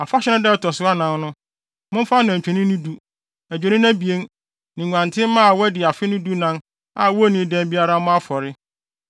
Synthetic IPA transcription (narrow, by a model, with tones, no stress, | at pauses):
a˨fa˦ɕᶣɛ˦ã˦dɛ˦˨tʰɔ˨sʊ˦a˦nã˨nnʊ̃˦ | mʊ̃˦fa˦n˨ã˨t͡ɕᶣʰɛ̃˨nɪ̃˦nʊ̃˦du˦ | æ˨d͡ʑᶣe˨nɪ̃˦nã˦bi˨e˦n | nɪ̃˨ɲʷ˨ã˨ntʰɪ̃˦mã˦a˨wɔ˦dɪ˨a˨fɪ˦nʊ̃˦du˦nã˦n | a˨wɔ˦nĩ˨˦dɛ̃˦n˦bi˦a˦ɾa˦mʊ̃˦a˦fɔ˨ɾɪ˦